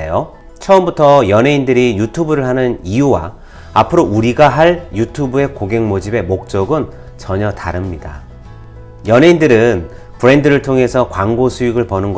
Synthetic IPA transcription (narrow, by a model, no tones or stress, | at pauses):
eo | t͡ɕʰʌɯmbutʰʌjʌnɦe̞indɯɾijutʰubɯɾɯɭɦanɯnijuwa̰ | a̰pʰɯɾouɾiɡaɦaɭjutʰubue̞koɡe̞ŋmod͡ʑibe̞mok̚t͡ɕ͈ʌɡɯn | t͡ɕʌɲʌtaɾɯmɲida̰ | jʌnɦe̞indɯɾɯn | pɯɾe̞ndɯɾɯɭtʰoŋɦe̞sʰʌkwaŋɡosʰuiɡɯɭpʌnɯnɡʌ